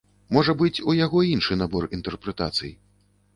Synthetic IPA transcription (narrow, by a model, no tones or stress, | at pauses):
mɔʐɐbɨt͡sʲujaɣɔinʂɨnabɔrint̪ɛrpɾɛt̪a̰t̪sɨ̰ji